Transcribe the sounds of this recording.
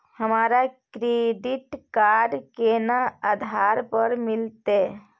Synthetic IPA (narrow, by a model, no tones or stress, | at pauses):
həmaɾakɾeɖiʈkaɾɖkenaad̪ʱaɾpəɾmilt̪e